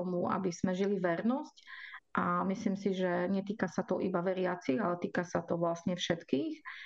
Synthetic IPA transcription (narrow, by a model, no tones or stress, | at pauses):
ɔmua̰biz̥mɛʒiliʋɛɾnɔscʔamislimsiʒɛɲɛt̪iːkasat̪ɔʔibaʋɛɾɪat͡siɣalɛt̪iːkasat̪ɔʋlasɲɛfʃɛt̪kiːx